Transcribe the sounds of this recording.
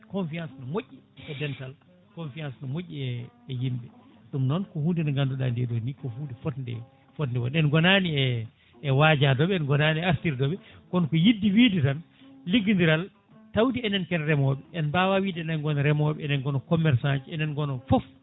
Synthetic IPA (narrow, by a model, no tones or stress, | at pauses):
kɔnfiãnsnɔmoʔːiɛdɛntal | kɔnfijansnɔmoʔʲːiɛːjimɓɛɗumnɔnkɔhundinɔɡanduɗa̰ndɛɗonikɔhudɛfɔtndɛ̰ | fɔtndɛwɔ̰nɛnɡɔnaniɛː | wad͡ʒadɔɓɛɛnɡɔnaːniɛastiɾdɔɓɛkɔnkɔjidːiwiːditan | liɡindiɾal | tawdiɛnɛnkɛnɾɛmɔɓɛɛnbawawiːdɛnɛnɡɔnɾɛmɔɓɛɛnɛnɡɔnɔkɔmɛɾsand͡ʒiɛnɛnɡɔnɔfɔf